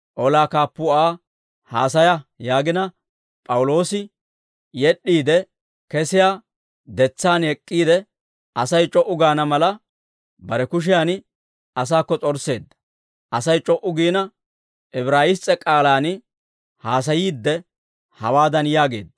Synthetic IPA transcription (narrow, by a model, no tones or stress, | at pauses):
ʔɔlaːkaːpːʊaː | ha̰ːs̬ɐjɐjaːɡɪnɐ | pʼɐwʊlo̞ːsɪ | jɛɗːiːd̪ɛ | kɛsɪjaː | d̪ɛt͡sːaːnɛkʼːiːd̪ɛ | ɐsɐjt͡ʃʼɔʔʊɡaːnɐmɐlɐ | bɐɾɛkʊʃ̬ɪjaːn | ɐs̬aːkːɔt͡sʼɔɾse̞ːd̪ːɐ̥ | ʔɐsɐjt͡ʃʼɔʔʊɡiːnɐ | ʔɛbɾaːjɪst͡sʼːɛkʼaːlaːn | haːs̬ɐjiːd̪ːɛ | hɐwaːd̪ɐnjaːɡe̞ːd̪ːɐ